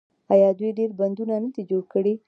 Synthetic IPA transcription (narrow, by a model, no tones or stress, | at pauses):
ajɑd̪wujɖeɾband̪unanad̪id͡ʒoɽkəɽi